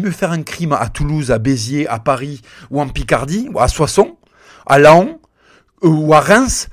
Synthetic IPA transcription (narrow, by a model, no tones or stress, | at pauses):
mjøfɛʁɛ̃kχima̰t̪uluzabezjeʔa̰paʁi | uɑ̃pikaʁd̪iaswasɔ̃ | a̰laɔ̃ | uaʁɛ̃s